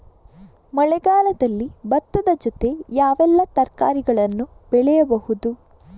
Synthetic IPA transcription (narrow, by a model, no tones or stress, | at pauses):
mɐɭɛɡaːlɐd̪ɐlːibɐt̪ːɐd̪ɐd͡ʒɔt̪e̞jaːʋɛlːɐt̪ɐɾka̰ːɾiɡɐɭɐnːub̥ɛɭɛjɐbɐhud̪u